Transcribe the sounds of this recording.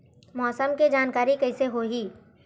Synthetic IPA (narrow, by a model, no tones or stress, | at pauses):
mɔːsəmked͡ʒaːnkaːɾikəɪseɦoɦiː